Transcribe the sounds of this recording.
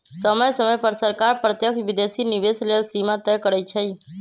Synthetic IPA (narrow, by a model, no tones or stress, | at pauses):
səməjsəməjpəɾsəɾkaɾpɾət̪jəkʰbid̪esiniʋeslelsimat̪əjkəɾət͡ʃʰəj